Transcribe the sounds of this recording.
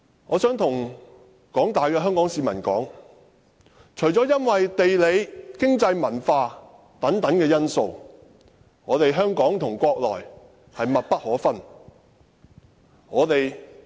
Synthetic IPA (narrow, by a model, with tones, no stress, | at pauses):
ŋɔː˨˧sœː˨˥ŋt̪ʰʊ˨˩ŋ | kɔː˨˥ŋt̪aː˨jkɛː˧ɦœː˥ŋkɔː˨˥ŋsiː˨˧mɐ˨˩nkɔː˨˥ŋ | t͡ʃʰɵ˨˩ɥt͡sɔː˨˥jɐ˥nwɐ˨jt̪e˨jle˨˧jkɪ˥ŋt͡sɐ˧jmɐ˨˩nfaː˧ | t̪ɐ˨˥ŋt̪ɐ˨˥ŋkɛː˧jɐ˥nso˧w | ŋɔː˨˧t̪e˨jɦœː˥ŋkɔː˨˥ŋt̪ʰʊ˨˩ŋkʷɔː˧k̚lɔ̰ː˨˩j | hɐ˨jmɐ˨t̚pɐ˥t̚hɔː˨˥fɐ˥n | ŋɔː˨˧t̪e˨j